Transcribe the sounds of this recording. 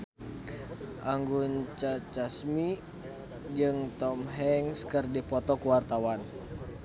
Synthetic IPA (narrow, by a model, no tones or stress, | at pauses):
ʔaŋɡunt͡ʃat͡ʃasmi | d͡ʒɨŋt̪ɔmɦɛŋskərdipɔt̪ɔkuwart̪awan